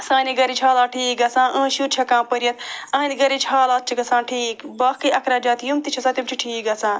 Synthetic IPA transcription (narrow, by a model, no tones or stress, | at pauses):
sãːniɡɐɾit͡ʃʰaːlaːʈʰiːk̚ɡɐsãːʔə̃ːʃuːɾt͡ʃʰɐkãːpəɾjɐt̪ɐɦɐnʲɡɐɾit͡ʃʰaːlaːt̪̚t͡ʃʰiɡɐsãːnʈʰiːkbɐːkiʔɐkʰɾaːd͡ʒaːt̪jumt̪it͡ʃʰɐsãːt̪ʲimt͡ʃʰiʈʰiːk̚ɡɐsãː